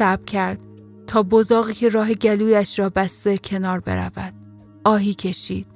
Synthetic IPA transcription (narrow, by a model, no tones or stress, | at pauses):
æbcʰæɾd̪̥̚ | t̪ʰɒːbozɒːɣiːcʰe̞ɾɒːɦe̞ɟæluːjæʃrɒːbæst̪e̞cʰe̞nɒːɾbḛɾæ̰væd̪̥ | ʔɒːɦiːcʰe̞ʃiːd̪̥̚